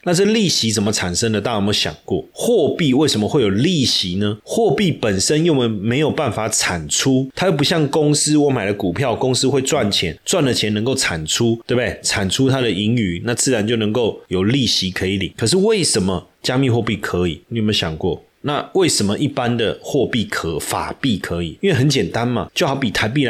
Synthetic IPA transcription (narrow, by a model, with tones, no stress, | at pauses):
na˥˧t͡sɤ˥˧li˥˩ɕi˧˥t͡sə˨˩nmə˦t͡sʰa˨˩nʂə˦ŋd̪ə˨t̪a˥˩o˨˩mə˦ɕjɑ̰˨˩ŋkwɔ̰˥˩xwɔ˥˧pi˥˧we˥˩ɪʂə˧˦mə˧xwe˥˩ɪjo˨˩li˥˩ɕi˨˦nə˧xwɔ˥˧pi˥˨pə˨˩nʂə˦˥njo˥˨ʊmə˨˩me˧˥ɪjo˨˩ʊpa˥˩nfa˨˦t͡sʰa˨˩nʈ͡ʂʰu˦t̪ʰa˥jo˥˩pu˧˦˥ɕjɑ˥˨˩ŋkʊ˦ŋs̩˥wɔ˧˦ma˨ɪlə˦ku˨˩pʰjɑ˥˨ʊkʊ˥˦ŋs̩˥xwe˥˧ɪt͡swa˥˨nt͡ɕʰjɛ˧˦nt͡swa˥˩nlə˨t͡ɕʰjɛ˧˥nə˧ŋko˥˩ʊʈ͡ʂʰa˨˩nʈ͡ʂʰu˦t̪we˥˩b̪e˥˩t͡sʰa˨˩nʈ͡ʂʰu˦˥t̪ʰa˦d̪ə˨i˧˥ŋy˨˩˦na˥˧t͡sɹ̩˥˩ɻa˧˦nt͡ɕjo˥˩ʊnə˧˦ŋko˥˩ʊjo˨˩ʊli˥˩ɕi˧˥kʰɤ˧˥i˧˦li˨˩˦ŋkʰə˨˩ʂ̬ɻ̩˥˧we˥˩ɪʂə˧˦nmə˨˧t͡ɕja˦mi˥˧xwɔ˥˧pi˥˩kʰɤ˧˦ḭ˨˩i˨˥˨me˧˥˦ɕjɑ˨˩ŋkwɔ˥˩ | na˥˧we˥˩ɪʂə˧˥mə˧ʔi˥˩pa˦nd̪ə˨xwɔ˥˧pi˥˩kʰɤ˧˦fa̰˨˩pi˥˩kʰɤ˧˦i˨˩i˥nwe˥˩ɦə˧˦nt͡ɕjɛ˨˩nt̪a˦nma˨t͡ɕjo˥˩xɑ˧˥ʊpi˨˩t̪ʰa˧˥ɪp̬i˥˨